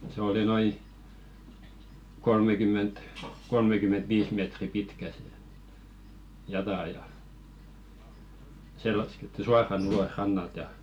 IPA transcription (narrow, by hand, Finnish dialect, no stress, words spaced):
se oli noi kolmekymˑent kolmekymen̞t ʋiːs meˑtri pitkæ sĕ jɑtɑˑ jɑ se lɑsketːi suɑrɑn ulos rɑnːɑlt jɑ